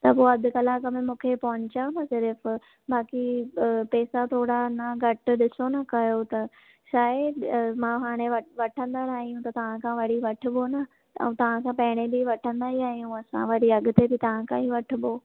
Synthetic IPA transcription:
t̪ɐpoːɐd̪ʱʊkɐlaːkəmẽmũːkʰepɐɦʊ̃ɲt͡ɕanɐsɪɾf | baːkipɛːsat̪ʰoːɽanɐɡʱɐʈ̆ɗɪsonɐkɐjot̪ɐ | ʃaːɪmãːɦaːɽ̃eʋɐʋɐʈʰə̃nd̪anaːɦijũt̪ɐt̪ɐʋ̤ãkʰãʋɐɽ̤iʋɐʈʰʊ̆bonɐ̰̃ | ũt̪ɐʋ̤ãkʰãpɐɦɪɽ̃ebɪʋɐʈʰə̃nd̪aɦiaːɦijũɐsã̰ʋɐɽiɐɡʊ̆t̪ebɪt̪ɐʋ̤ãkʰãiʋɐʈʰʊ̆boː

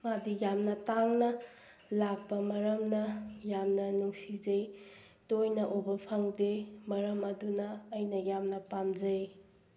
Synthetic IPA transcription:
madijamnɐtaŋnɐ | lak̚pɐmɐɾɐmnɐjamnɐnuŋsizɐj | tojnɐʔobɐpʰɐŋdemɐɾɐmɐdunɐːjnɐjamnɐpamzɐj

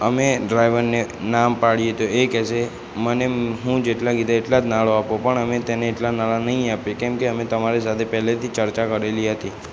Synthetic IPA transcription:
əmeɖɾajʋəɾnenampaɭijet̪oekɛse | məneɦũd͡ʒeʈlaɡid̪aeʈlad͡ʒnaɭoapopəɳəmet̪eneːʈlanaɭanəɦĩapekɛmkeəmet̪əmaɾesat̪ʰepɛɦlet̪ʰit͡ʃəɾt͡ʃakəɾeliɦət̪i

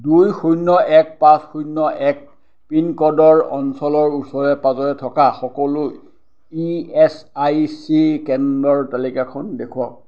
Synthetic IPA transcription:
dujxujnːɔʔɛk̚pasxujnːɔʔɛk̚ | pinkɔdɔɹɔnsɔlɔɹusɔɹɛpazɔɹɛtʰɔkaxɔkɔlʊ | iɛsajsikɛndɔɹtalikakʰɔndekʰuɔk̚

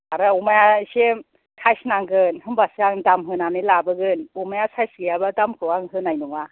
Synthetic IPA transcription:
aɾaumajasem | tʰajsnaŋɡɯnhɯnbasaŋdamɦɯnanɯlabɯɡɯnumajasajsɡɯjabadamkʰɯwaŋɦɯnajnuŋa

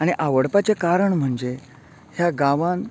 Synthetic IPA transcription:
aɽ̃iʔaʋəɽpat͡sekaɾəɳm̤əɳd͡ze | hjaɡaʋãn

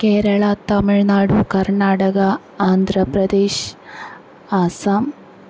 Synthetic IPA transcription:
keːɾɐɭɐt̪ɐmiɭnaːɽukɐrɳaːɽɐɡɐ | aːnd̪ʱɾɐprɐd̪eːɕ | aːsaːm

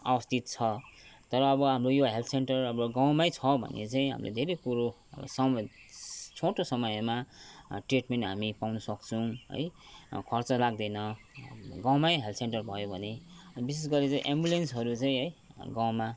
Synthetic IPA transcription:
a̰bʌst̪it̪̚t͡sʰʌt̪ʌɾʌːbʌɦamrojoɦelt̪ʰsenʈʌrʌbʌɡaw̃majt͡sʰʌbʱʌ̰nːḛt͡saĩɦa̰mlḛd̪ʱeɾejpuɾo̰ | sʌm | t͡sʰoʈosʌmʌjmaʈreʈmenʈɦamipawnʌsʌkt͡sʰʌw̃ɦʌ̰jkʰʌrt͡sʌlaɡ̚d̪ʌnʌ | ɡãw̃majɦelt̪ʰseɳʈʌrbʱʌjobʱʌnebis̬esɡʌɾet͡saĩʔembulensɦʌɾut͡saĩɦʌjɡãw̃ma

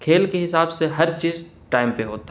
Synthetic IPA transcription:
kʰeːlkeɦɪsaːbseɦɐɾt͡ʃiːz | ʈaːɪmpeɦoːt̪ː

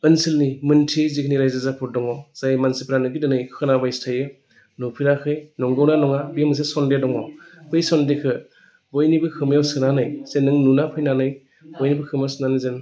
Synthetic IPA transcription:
ɯnsilnimɯntʰizikʰniɾajzazapʰuɾ̚dɔŋɔz̥ajmansipʰɾanɯɡidɯnɯjkʰɯnabajstʰajɯ | nupʰiɾakʰɯjnɔŋɡɯwnanɔŋabijɯmɯs̬esɔndedɔŋɔbɯjsɔndekʰɯ | bɔjnibɯkʰɯmjawsɯnanɯjsenɯŋnunapʰɯjnanɯj | bɔjnibɯkʰɯmjawsnanizen

